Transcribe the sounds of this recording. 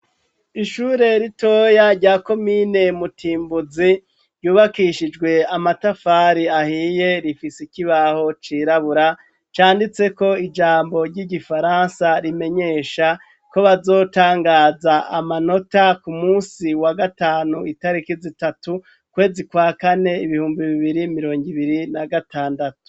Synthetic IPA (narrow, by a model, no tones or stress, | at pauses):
iʃuːɾe̞ɾito̞ːjaɾɟaːko̞mine̞mutʰiːmbuzi | ɾjuːβakiʃid͡ʒɡwe̞amatafaːɾiahiːjeɾifisikiβaho̞t͡ʃiːɾaβuɾa | t͡ʃaːndit͡se̞ko̞id͡ʒaːmbo̞ɾɟiɟifaɾansaɾime̞ɲe̞ʃa | ko̞βazo̞ːtaːŋɡaːzaa̰mano̞takumuːsiwaɡataːnuitaɾikizitatu | kwe̞ːzikwaːkane̞iβihuːmbiβiβiɾimiɾo̞ːŋɡiβiɾinaɡataːndatu̥